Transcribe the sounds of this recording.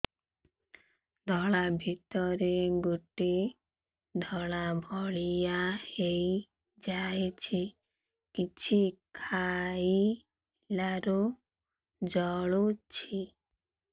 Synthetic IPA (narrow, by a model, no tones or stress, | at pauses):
d̪ʱɔɭabʱit̪ɔɾeɡuʈe | d̪ʱɔɭabʱɔɭijaheji | d͡ʒajet͡ʃʰi | kit͡ʃʰikʰai | laɾu | d͡ʒɔɭut͡ʃʰi